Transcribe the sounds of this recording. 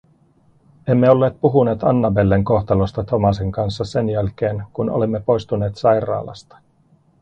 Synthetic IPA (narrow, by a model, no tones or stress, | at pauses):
e̞mːeo̞lːe̞ːt̪̚puɦune̞ːt̪ɑnːɑbe̞lːeŋko̞xt̪ɑlost̪ɑt̪o̞mɑseŋkɑnsːɑse̞njælk̟e̞ːnkuno̰lemːe̞po̞jst̪une̞ːt̪sɑjɾɑ̰ːlɑ̰st̪ɑ̥